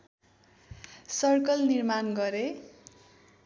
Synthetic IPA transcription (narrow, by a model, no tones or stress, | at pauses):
sʌrkʌlnirmanɡʌɾe